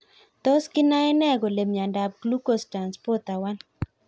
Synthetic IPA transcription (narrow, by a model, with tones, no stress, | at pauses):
t̪o˦skɪ˦na˦ɛ˦nɛ˦ɡo˨le˨mja˨nda˨p̚ɡlu˦ko˦˨sta˨nspɔ˦t̪a˨wa˦n